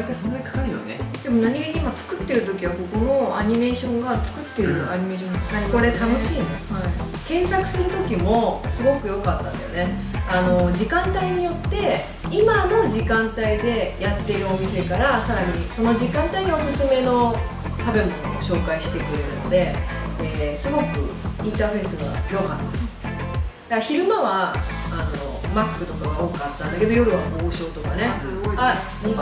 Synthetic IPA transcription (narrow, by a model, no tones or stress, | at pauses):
it̪asõnːaɲikḁkaɾɯjo̰nḛd̪̥e̞mo̞naɲ̟iɡaɲʲiimat͡sɨ̥kɯ̟t̪ːe̞ɾɯ̟t̪o̞kʲiβ̞ako̞kono̞aɲ̟ime̞ːɕõ̞ŋɡat͡sɨ̥kɯ̟t̪ːe̞ɾɯ̟aɲ̟ime̞ːɕõŋko̞ɾe̞t̪ano̞ɕiːn | kẽ̞ɰ̃sakɯ̟̥sɨɾɯ̟t̪o̞kʲimo̞sɨɡo̞kɯ̟jo̞kat̪ːãnd̪ḛjo̰ne̞ | ano̞d͡ʑikãnt̪aiɲ̟ijo̞t̪ːe̞ | imano̞ʑikãnt̪aid̪e̞jat̪ːe̞ɾɯ̟o̞mʲise̞kaɾasaɾaɲ̟iso̞no̞d͡ʑikãnt̪aiɲ̟io̞sɨsɨme̞no̞ | t̪abe̞mo̞nooɕo̞ːkaiɕi̥t̪e̞kɯ̟ɾe̞ɾɯ̟no̞d̪e̞ | esɨɡo̞kɯ̟̰ĩnt̪aːɸe̞ːsɨɡa̰jo̞kat̪ːa̰ | d̪̥açiɾɯ̟maβaːno̞̰makːɯ̟t̪o̞kaɡaoːkɯat̪ːãnd̪ake̞d̪o̞jo̞ɾɯ̟βaboːɕo̞ːt̪o̞kane̞a | ɲi